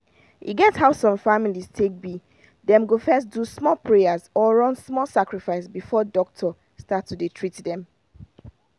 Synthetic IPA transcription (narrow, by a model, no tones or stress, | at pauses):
hḭɡɛthaʊsɔ̃ɱfamiliz̥tʰek̚bi | dɛ̃mɡofɛs̬tdusmɔlpʰɹeazɔɹɔ̃nsmɔlˠsakɹifaɪsbifɔdɔk̚tʰɔ | statːuditʰɹitdɛ̃m